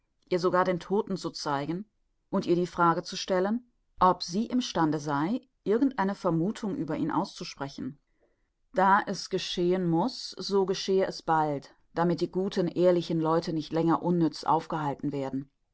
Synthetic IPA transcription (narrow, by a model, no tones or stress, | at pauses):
ʔiːɐzoɡaːɐdeːntʰoːtn̩t͡sut͡saɪɡn̩ | ʔʊntʔiːɐdiːfʁ̥aːɡət͡suʃtɛlən | ʔɔpz̥iːʔɪmʃtandəzaɪ | ʔɪɐɡŋ̩tʔaɪnəfɛɐmuːtʰʊŋʔyːbɐʔḭːnʔa̰ʊst͡suʃpʁ̥ɛçn̩ | d̥aːʔɛsɡ̥əʃeːənmʊsz̥oːɡəʃeːəʔɛsb̥alt | d̥amɪt̚d̥iːɡuːtʰənʔeːɐlɪçn̩lɔʏtʰənɪçtlɛŋɐʔʊnːʏt͡sʔa̰ʊfɡ̥əɦaltn̩veːɐdn̩